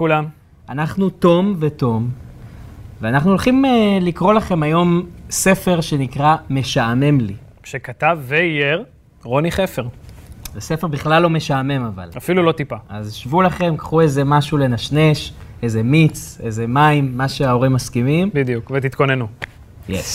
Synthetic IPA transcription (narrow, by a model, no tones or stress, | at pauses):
kulam | anaχnut̪o̞mve̞to̞m | veanaχnuolχimelikʁo̞laχe̞majo̞mse̞fe̞ʁʃe̞nikʁame̞ʃaːme̞mli | ʃekat̪avːeijeʁ | ʁo̞niχefeʁvese̞febiχlalːo̞me̞ʃaːme̞mava̰lafilulo̞t̪ipaazʃvulaχe̞mkḁχue̞jzemaʃule̞naʃne̞ʃezemit͡se̞zemaimːaʃeao̞ʁimːaskimimbid̪ijukvet̪it̪ko̞nenu | jḛs